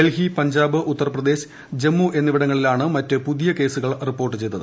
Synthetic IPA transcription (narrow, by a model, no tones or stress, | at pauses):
elɦipɐɲd͡ʑaːbɨʔut̪ːɐrɐprɐd̪e̞ːɕ | d͡ʑe̞mːuʔe̞nːiʋiɽɐŋːɐɭilaːɳɨmɐtːɨpuðijɐke̞ːsuɣɐɭripːo̞ːrʈːɨt͡ɕe̞jt̪ːɐðɨ